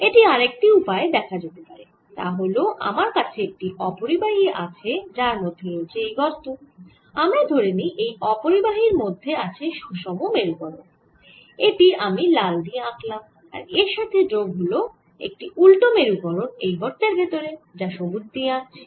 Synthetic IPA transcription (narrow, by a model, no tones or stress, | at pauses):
eʈiaɾek̚ʈiupaed̪ɛkʰad͡ʑet̪epaɾe | t̪a̰ɦoloʔa̰maɾkat͡ɕʰeek̚ʈiʔɔpoɾibaɦieʔa̰t͡ɕʰed͡ʑaɾmot̪ʰonet͡ɕʰeejɡʱɔɾt̪o | amed̪ʱoɾeniʔejɔpoɾibaɦiɾmod̪ʱːeat͡ɕʰeʃuʃɔmomeɾukɔɾon | eʈiamilald̪ieaklam | a̰ɾeɾʃat̪ʰeɖɾoɡɦulo | ḛk̚ʈiʔulʈomeɾukɔɾonejɡʱɔɾt̪eɾbʱet̪oɾed͡ʑaʃobuɾd̪iea